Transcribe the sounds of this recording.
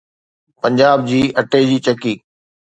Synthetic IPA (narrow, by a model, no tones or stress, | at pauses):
pɐ̃ɲd͡ʑaːb̚d͡ʑiːʔɐʈed͡ʑiːt͡ɕɐkiːk